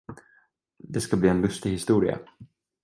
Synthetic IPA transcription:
d̪ɛskabliːɛnlɵst̪ɪhɪst̪uːɾɪa̰

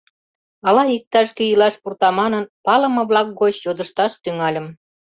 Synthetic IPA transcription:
ɑlɑik̚t̪ɑʃkejilɑʃpurt̪ɑmɑnənpɑlə̆mɤ̆βlɑk̚ɡot͡ɕjod̪əʃt̪ɑʃt̪yŋɑlʲə̆m

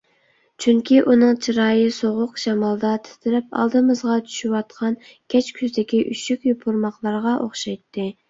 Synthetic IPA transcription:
t͡ʃʰyŋkʲiʔunɨŋt͡ʃʰiɾɑːjɨsoʁʊqʃɑmɑlˠd̪ɑt̪ʰɪ̥t̪ʰɪɾɪp̚ɑ̰lˠd̪ɨmɨzʁɑt͡ʃʰy̥ʃywɑt̪qʰɑnkʲʰɛt͡ʃkʲʰyzd̪ɪkʲiʔyʃykʲjupʰuɾmɑχlˠɑɾʁɑʔoχʃɑjt̪ʰːɨ

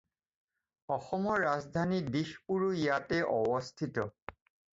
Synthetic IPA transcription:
ɔxɔmɔɹazd̪ʱanid̪iʃpuɹujateʔɔbost̪ʰit̪ɔ

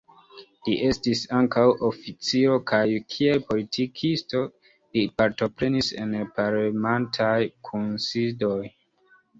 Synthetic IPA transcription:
liʔe̞stisaŋkawʔo̞fit͡sio̞kʰajkʰie̞lpo̞litʰikʰisto̞ | lipaɾto̞pɾe̞nise̞̰npaɾemantʰajkʰunsido̞j

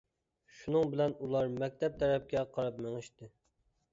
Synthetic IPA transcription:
ʃunɨŋbɪlɛnulˠɑɾmɛk̚ʲt̪ʰɛp̚t̪ʰɛɾɛp̚kʲɛqʰɑɾɑpmeŋɨʃt̪ɨ

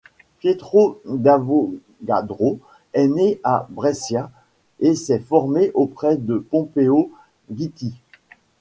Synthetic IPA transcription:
pjet̪χod̪avo | ɡa̰d̪ʁo | ɛneabʁɛsja | esɛfɔʁmeʔopχɛd̪əpɔ̃peo | ɡʲit̪i

